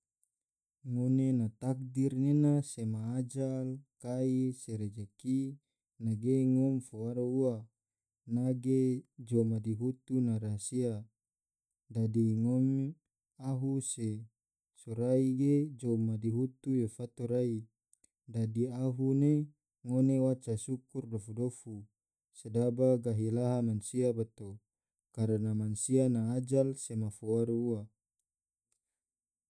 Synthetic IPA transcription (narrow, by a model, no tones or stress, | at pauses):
ŋonenat̪ak̚dirnenasemaːd͡ʒalkaiseɾed͡ʒaki | naɡeŋɔmfowaɾoua | naɡed͡ʒomadiɦut̪unaɾasia | dadiŋɔm | aɦuse | soɾaiɡed͡ʒomːadiɦut̪ujefat̪oɾai | dadiaɦune | ŋonewat͡ʃasukurdofudofu | sedabaɡaɦilaɦamansiabat̪o | kaɾənamansianaːd͡ʒalsemafuaɾua